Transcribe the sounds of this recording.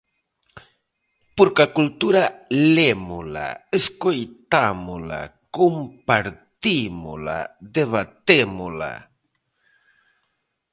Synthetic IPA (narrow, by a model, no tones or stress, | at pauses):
puɾkakult̪uɾalemula̰eskojt̪amula̰kompaɾt̪imṵla̰d̪eβat̪emula̰